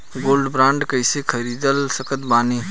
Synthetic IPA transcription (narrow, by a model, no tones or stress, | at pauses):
ɡolɖbɾãɳɖkəjsekʰəɾid̪əlsəkət̪bani